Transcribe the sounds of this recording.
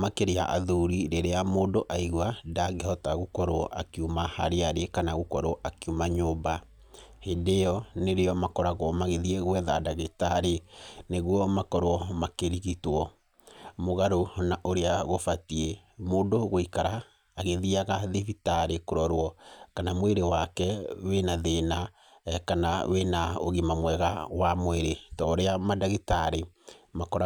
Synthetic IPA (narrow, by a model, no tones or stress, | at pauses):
makeɾea̰ʔa̰ðuɾiɾeɾeamoːdoʔaiɣwadaɣehɔtaɣokɔɾwɔ̰ʔa̰kiumaha̰ɾeaɾekanaɣukɔɾɔʔakiumaɲoːba | hendejɔneɾeɔmakɔɾaɣwɔmaɣeðieɣwɛðadaɣetaɾeneɣwɔmakɔɾwɔmakeɾiɣitwɔ | moɣaɾonaʔoɾeaɣofatiemoːndoɣoikaɾaː | ɣeðiaɣaðevitaɾekoɾɔɾwɔkanamweɾewakɛwenaðena | kanawenao̰ɣimamwɛɣawamweɾetɔːɾeamadaɣetaɾemakɔɾa